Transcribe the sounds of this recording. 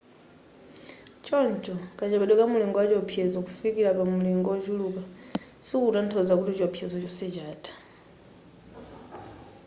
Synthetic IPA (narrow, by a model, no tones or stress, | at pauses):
t͡ʃɔnt͡ʃʼɔkat͡ʃɛbɛɗwɛkamuliŋɡɔwat͡ʃɔpʰjɛzɔkufikilapamuliŋɡɔd͡ʒulukasukutantʰɔd͡zakutit͡ʃɔpʰjɛzɔt͡ʃɔsɛt͡ʃaːtʰʼḁ